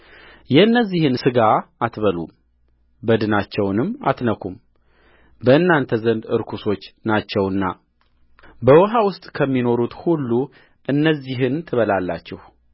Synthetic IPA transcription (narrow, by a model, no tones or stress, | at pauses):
jɛɨnːəzːihɨnsɨɡaat̪βəlṵm | bəd̪ɨnat͡ʃːɛwnɨma̰t̪nəkʰum | bəɨnːant̪ʰəzənd̪ɨ̰ɾkʰuso̞t͡ʃːnat͡ʃːɛwɨnːa | bəwɔɦawʊst̪ʼkʰəmːino̞ɾut̪hulːu | ʔɨnːəzːiɦɨnt̪ʰɨβəlalːa̰t͡ʃːɛh